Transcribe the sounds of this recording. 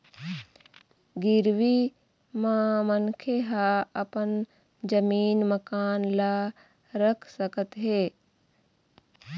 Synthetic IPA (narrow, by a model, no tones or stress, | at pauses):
ɡɪɾʋi | mãmənkʰeɦaɐpən | d͡ʒəmiːnməkaːnla | ɾəkʰsəkət̪ɦeː